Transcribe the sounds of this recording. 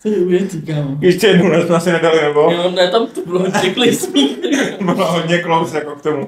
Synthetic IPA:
sɛdɪuɛzikaːmjɛʃtɛjɛdnonɛssmɛasɪnɛdalɪnɛbojonɛt̪amt̪obɪloɦod̪ɲɛklesibɪloɦodɲɛklowsjakok̚t̪omu

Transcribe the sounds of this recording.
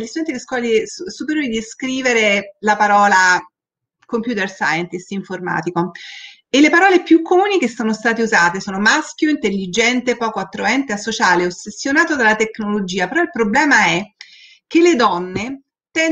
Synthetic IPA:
list̪ud̪ɛnt̪id̪iskwɔːlisupeɾjoːɾid̪iskɾiːveɾelapaɾɔːla | kompjuːt̪ersa̰jɛnt̪isiɱforma̰ːt̪iko | elːepaɾɔːlepjukʰːomuːnik̟esːoːnost̪aːt̪euzaːt̪esoːnomaskjoint̪elːid͡ʒɛnt̪epɔːkoat̪ːɾoɛnt̪easːot͡ʃaːleosːesːjonaːt̪od̪alat̪eknolod͡ʒiːapeɾɔilpɾoblɛːmaɛ | k̟ːelːed̪ɔnːe | t̪ɛn

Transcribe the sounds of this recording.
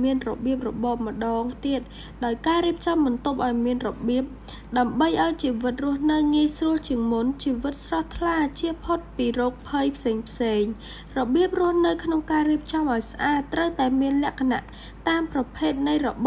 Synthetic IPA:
miənrɔɓiəp̚rɔɓɑːp̚mə̆ɗɑːŋt̪iət̪̚ | ɗaɔjkaːɾiəp̚t͡ɕɑmɓɑnt̪op̚ʔaɔjmiənrɔɓiəp̚ | ɗaəmɓəjʔaɔjt͡ɕiːʋɨt̪̚rʊ̆əhnɨwŋiəjsruəlt͡ɕiəŋmunt͡ɕiːʋɨt̪̚srɑht̪ʰlaːt͡ɕiəpʰot̪̚piːroːk̚pʰəjpʰseːŋpʰseːŋ | rɔɓiəp̚rʊ̆əhnɨwkʰnoŋkaːriəp̚t͡ɕɑmʔaɔjsʔaːt̪ːrəwt̪aɛmiənlɛ̆əʔkʰana̰ʔ | t̪aːmprɑpʰeːt̪̚nɨjrɔɓ

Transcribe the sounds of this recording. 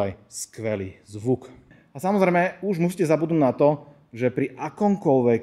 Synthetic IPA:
ajskʋɛliːzʋuk | asamɔzɾɛjmɛuʒmus̬iːcɛzabud̪nuːd̪nat̪ɔ | ʒɛpɾiʔakɔmkɔlʋɛk

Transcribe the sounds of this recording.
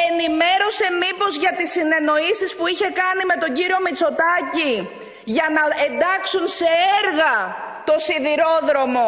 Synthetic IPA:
e̞nime̞ɾo̞se̞mipo̞zʝɐt̪isine̞no̞isispuiçe̞kɐnime̞t̪o̞ɲɟiɾio̞mit͡so̞t̪ɐci | ʝɐnɐend̪ɐksunse̞eɾɣɐt̪o̞siðiɾo̞ðɾo̞mo̞

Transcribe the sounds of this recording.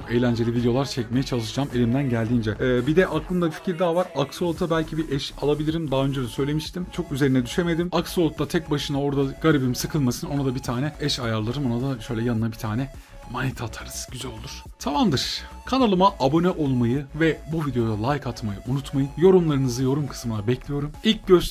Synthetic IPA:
e̞jlʲænd͡ʒe̞lʲivid̪ejo̞lˠaɾt͡ʃʰɛcme̞jɛt͡ʃʰalˠɯʃɯd͡ʒame̞lʲimd̪ænɟælʲd̪iːnd͡ʒɛːbid̪ɛʔaklˠɯnd̪abifi̥cʰiɾd̪aːvaɾakso̞lˠt̪ʰabælʲcʰibiʔɛʃalˠabilʲiɾimd̪aːø̞nd͡ʒed̪sø̞jlʲe̞miʃt̪ʰimt͡ʃʰo̞kyze̞ɾinɛd̪yʃe̞me̞d̪imakso̞lˠt̪ːat̪ʰɛc̚baʃɯnao̞ɾd̪aɡaɾibimsɯkʰɯlˠmasɯno̞nad̪abit̪ʰaːnɛɛʃajaɾlˠaɾɯmo̞nad̪aʃø̞jlʲɛjanɯnabit̪ʰaːnɛ | manʲit̪ʰat̪ʰaɾɯz̥ɟyzælʲo̞lˠuɾ̥ | t̪ʰavand̪ɯɾ̥ | kʰanalˠɯmaʔabo̞nɛʔo̞lˠmajɯvɛbuvid̪ejo̞d̪alˠajkʰat̪majɯʔunut̪majɯnjo̞ɾumlˠaɾɯnɯzɯjo̞ɾumkʰɯ̥smɯnabɛcʰlʲijo̞ɾumilʲc̚ɟøs

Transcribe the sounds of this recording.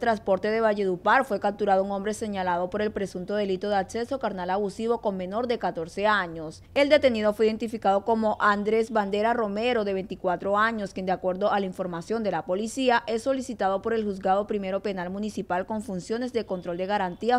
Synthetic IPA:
t̪ɾanspo̞ɾt̪eðe̞βaʝeðupaɾfwekap̚t̪uɾaðouŋõ̞mbɾe̞se̞ɲalaðo̞po̞ɾe̞lpɾe̞sunt̪o̞ðe̞lit̪o̞ð̞eakse̞sokaɾnalaβusiβo̞ko̞ŋmẽ̞no̞ɾd̪e̞kat̪o̞ɾse̞aɲo̞s | e̞ld̪e̞t̪e̞niðo̞fwiðe̞nt̪ifikað̞o̞ko̞mo̞ʔand̪ɾe̞zβand̪e̞ɾaro̞me̞ɾo̞ðe̞βe̞nt̪ikwat̪ɾo̞aɲo̞skje̞nd̪eakwe̞ɾðoalaiɱfo̞ɾmasjo̞nd̪e̞lapo̞lisiaʔe̞sːo̞lisit̪aðo̞po̞ɾe̞lxuzɡaðo̞pɾime̞ɾo̞pe̞nalmũnisipalko̞ɱfunsjo̞ne̞zd̪e̞ko̞nt̪ɾo̞ld̪e̞ɣaɾant̪ia

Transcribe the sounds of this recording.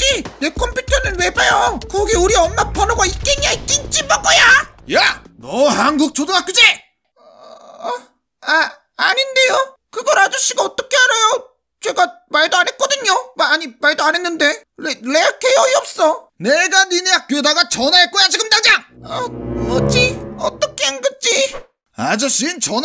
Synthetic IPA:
t͡ɕine̞kʰʌmpʰjutʰʌnɯnwe̞bajokʌɡeuɾiʌmːapʰanoɡaik͈eŋiaik͈int͡ɕ͈imbak͈ʌjajanʌhanɡuk̚t͡ɕodoŋak͈ɯd͡ʑie | a | aɲinde̞jo | kɯɡʌɾad͡ʑuɕ͈ʰiɡaʌt͈ʌkʰe̞aɾʌjo | t͡ɕe̞ɡamaɭdoane̞t̚k͈ʌdɯɲomaːɲimaɭdoane̞nːɯnde̞lele̞akʰejʌiʌp̚s͈ʌneɡaninjak̚k͈oedaɡat͡ɕʌnaek͈ojat͡ɕiɡɯndad͡ʑaŋʌmod͡ʑiʌt͈ʌkʰeanɡɯt͡ɕ͈i | ad͡ʑoɕ͈int͡ɕʌn

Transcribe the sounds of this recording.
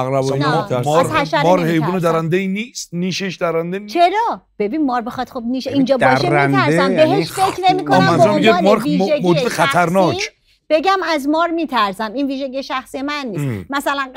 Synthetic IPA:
æɣɾæbɔnmaæʃæɾmɒːɾhejvuːned̪æɾænd̪einiːst̪̚niːʃeʃd̪æɾænd̪et͡ʃʰeɾɒː | b̥e̞binmɒːɾbexɒd̪̥xobniːʃeiːnd͡ʒɒːb̪ɒʃent̪æɾsmbeɦeʃfekʰnemikʰoɔnmæmmmiɡemɔːɾiːʒeɡmoːd͡ʒd̪exæt̪ʰæɾnɒːk | b̥e̞ɟæmæzmɒːɾmiːt̪ʰæɾsæminviːʒeɟijeʃæxsijemænːiːsmæsælæn

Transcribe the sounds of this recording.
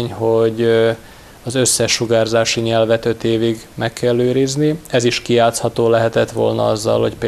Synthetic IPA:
ɲhoɟ | ɒzø̞sːɛʃːuɡaːrzaːʃiɲɛlvɛt̪ø̞t̪eːviɡmɛkːɛlːøːɾizniɛziʃkijaːt̪shɒt̪oːlɛɦɛt̪ɛt̪ʋo̰lnɒ̰ɒzːɒ̰lho̞cpː

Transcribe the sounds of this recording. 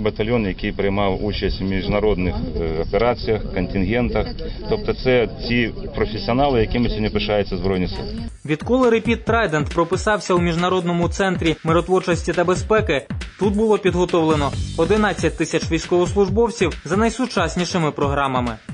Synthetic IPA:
bɐt̪ɐlʲjɔnjɐkʲɪjpɾɪjmɑwut͡ʃɐsʲtʲwmʲiʒnɐɾɔd̪nɪxɔpʲeɾat͡sʲijɐxkɐnʲtʲɪnɣɛnt̪ɐxt̪ɔp̚t̪ɔt̪sɛtʲipɾɔfʲesʲiɔnɑlˠɪjɐkʲɪmɪsʲinʲɪpɪʃɑjʊt͡sʲːɐzbɾɔjnʲisɪ̰lˠɐʋʲid̪kɔlˠɪɾepʲit̪ːɾɑjd̪ent̪pɾɔpɪsɑwsʲɐwmʲiʒnɐɾɔd̪nɔmʊt̪sɛnt̪ɾʲimɪɾɔt̪ʋɔrt͡ʃɔsʲtʲit̪ɐbespɛkɪt̪ut̪̚bʊlˠɔpʲid̪ɦɔt̪ɔwlˠenɔɔd̪ɪnɑt͡sʲːɐt̚ʲt̪ɪsʲɐt͡ʃʋʲijsʲkɔʋɔslˠʊʒbɔwt͡sʲiwzɐnɐjsʊt͡ʃɑsʲnʲiʃɪmɪpɾɔɦɾɑmɐmɪ

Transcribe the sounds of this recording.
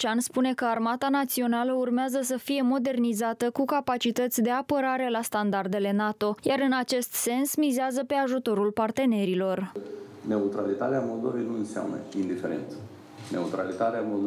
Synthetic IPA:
t͡ʃanspune̞kəarmat̪anat̪sio̞naləurmeazəs̬əfije̞mo̞d̪e̞rnizat̪əkukapat͡ʃit̪ət̪sʲd̪e̞apəɾaɾe̞last̪and̪ard̪e̞le̞nat̪o̞jaɾɨnat͡ʃe̞st̪se̞nsmizeazəpe̞aʒut̪o̞ɾulpart̪e̞ne̞ɾilo̞rne̞ut̪ɾalit̪at̪eamo̞ld̪ove̞jnuɨnsea̰mnə̰ind̪ife̞ɾḛnt̪sə̥ | ne̞ut̪ɾa̰lit̪at̪eamo̞ld̪o

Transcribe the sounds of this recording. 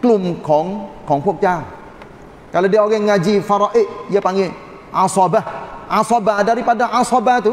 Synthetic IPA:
klumkʰɔŋkɔŋpuk̚t͡ʃa | kalodeɔɡɛŋad͡ʒifaɾɔʔiʔjepaŋe | asɔbaasɔbadaɾipadaʔasɔbat̪u

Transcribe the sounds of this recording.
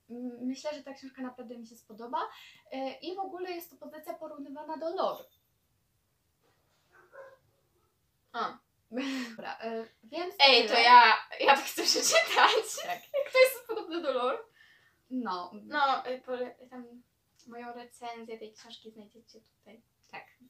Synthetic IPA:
ɘɕlɛʐɛt̪akɕɔ̃w̃ʂkanapɾavd̪ɛmʲiɕɛspɔd̪ɔba | ʔivɔɡulɛjɛst̪ːɔpɔzɘt̪sʲjapɔɾuvnɨvanad̪ɔlɔɾu | a | ɔbɾa̰ʔ | vʲjɛnt̪sɛjt̪ɔjajat̪akxt̪sɛpʂɛt͡ɕɛt̪ʰat͡ɕjakt̪ɔjɛst̪spɔd̪ɔbnɛd̪ɔlɔɾu | nɔnɔpɔɛt̪amː | ɔjɔ̃w̃ɾɛt̪sɛnzʲjɛt̪ɛjkɕɛ̃w̃ʂkʲiznajd͡ʑɛt͡ɕɛt̪u̥t̪aj | t̪ak

